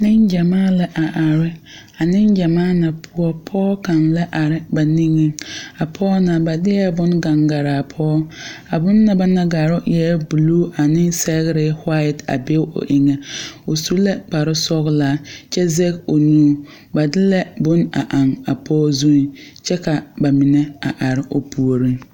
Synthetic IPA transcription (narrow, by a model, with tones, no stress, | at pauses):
nɪ˦nd͡ʒa˨maː˦lɛ˦ʔa˨ʔa˨ɾɪ˦ | a˨nɪ˦nd͡ʒa˨maː˦na˨pʰʊ˨ɔ˨pʰɔː˦ka˨nla˦ʔa˨ɾɪ˨ba˨ni˦ŋɪ˦a˨pʰɔː˦na˨ba˨dɪ˦jɛ˦bʊ˦nɡa˨ŋɡa˨ɾaː˨pʰɔː˦a˨bʊ˦nːa˨ba˦na˦ɡa˨ɾʊ˦jɛ˦bu˨luː˦ʔa˨nɪ˦sɛ˦ɣɪ˦ɾɪ˦hwa˦ɪ˨ta̰˨be˦ʊ̰˨ʔɪ˦ŋɛ˦o˨su˦lɛ˦k͡pa˨ɾɪ˦sɔ˦ɣlaː˦t͡ʃɛ˦zɛ˦ko˨nuː˦ | ba˨dɪ˦lɛ˦bʊ˦na̰˨ʔa˨ŋa˨pʰɔː˦zu˦˨t͡ʃɛ˦ka˨ba˨mɪ˨nɛ˦a̰˨ʔa˨ɾɪ˨ʔo˨pʰu˨o˨ɾi˦